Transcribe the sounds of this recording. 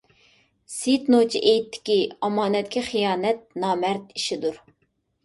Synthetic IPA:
sit̪not͡ʃʰiʔejt̪ʰːɪ̥kʲiɑmɑːnɛt̪kʲiχijɑːnɛt̪̚nɑːmɛɾt̪iʃid̪uɾ

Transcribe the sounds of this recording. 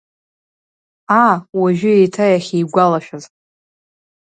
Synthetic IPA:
awaʒᶣʊejtʰajaχʲejɡʷalaʃᶣaz

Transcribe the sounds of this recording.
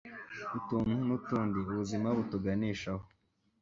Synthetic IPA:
utuːnhunutuːndiuβuzimaβutuɡaniːʃaho

